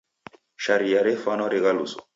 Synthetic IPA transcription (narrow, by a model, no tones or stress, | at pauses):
ʃaɾijaɾɛfanɔɾiɣalusɔ̰̥